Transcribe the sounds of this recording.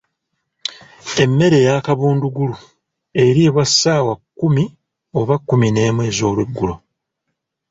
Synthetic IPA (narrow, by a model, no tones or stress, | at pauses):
e̞mːe̞ɾe̞jaːkaβuːnduɡulu | e̞ɾiβwasːaːwakːumi | o̞βakːumine̞ːmwe̞ːzo̞ːlweɡːulo̞